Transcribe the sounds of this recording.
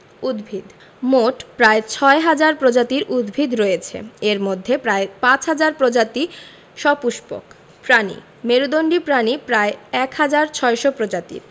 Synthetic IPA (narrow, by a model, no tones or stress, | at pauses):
ud̪bʱid̪ | moʈpɾaet͡ɕʰɔeɦad͡ʑaɾpɾod͡ʑat̪iɾʔud̪bʱid̪ɾojet͡ɕʰḛeɾmod̪ʱːepɾaepãt͡ɕɦad͡ʑaɾpɾod͡ʑat̪i | ʃɔpuʃpo̰k | pɾanḭ | meɾud̪oɳɖipɾanipɾaeɛkhad͡ʑaɾt͡ɕʰɔeʃopɾod͡ʑat̪ḭɾ